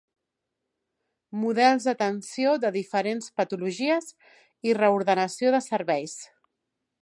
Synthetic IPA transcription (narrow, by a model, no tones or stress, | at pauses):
muðɛlˠzðət̪ənsioðəðifəɾenspət̪uluʒiəz | irəuɾðənəsioðəsəɾβɛjs